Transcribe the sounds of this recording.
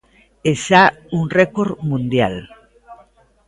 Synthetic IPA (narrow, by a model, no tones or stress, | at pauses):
esa | unrekoɾmũnd̪ja̰l